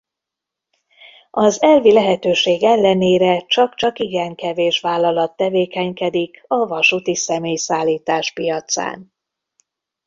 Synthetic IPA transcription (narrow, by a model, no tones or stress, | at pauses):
ɒzɛlvilɛɦɛt̪øːʃeːɡɛlːɛneːɾɛt͡ʃɒkt͡ʃɒkiɡɛŋkɛveːʃʋaːlːɒlɒt̪ːɛveːkɛɲkɛd̪ikɒvɒʃut̪isɛmeːjsaːlːiːt̪aːʃpijɒt̪sa̰ːn